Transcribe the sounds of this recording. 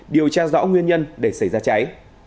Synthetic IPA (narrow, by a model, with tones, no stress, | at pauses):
ɗi˨˩əwt͡ɕaː˧zɔ̰˧˥ŋwi˧ənɲə˧nɗe˧˩sa˧˩jzaː˧t͡ɕa˨˦j